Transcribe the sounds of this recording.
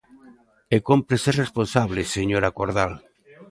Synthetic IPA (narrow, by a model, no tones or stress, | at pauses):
ekompɾeseresponsaβleseɲoɾakoɾðal